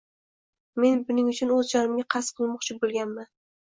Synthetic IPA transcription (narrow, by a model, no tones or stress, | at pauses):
me̞nbʊnɪŋʊt͡ʃʰʊnɵzd͡ʒɒnɪmɡʲaqʰɑsqʰɨlˠmɒqt͡ʃʰɪbolˠɡʲanman